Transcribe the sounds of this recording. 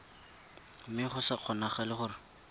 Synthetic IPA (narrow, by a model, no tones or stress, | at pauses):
mɪχʊsaq͡χʰɔnaχalɪχʊrɪ